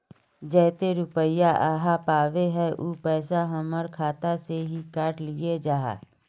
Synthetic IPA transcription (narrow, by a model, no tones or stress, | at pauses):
d͡ʒɛːt̪eɾʊpəɪjaʔaːɦapaːʋeɦɛʔuːpɛːsaɦəməɾkʰaːt̪aseɦikaːʈlied͡ʒaːɦa̰ː